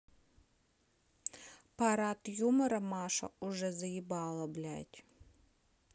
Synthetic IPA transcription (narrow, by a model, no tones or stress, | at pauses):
pʰaɾatʰjumɨɾɐmaʂɐ̰uʐɛzajibaːlˠɐblʲa̰ːjtʲʼ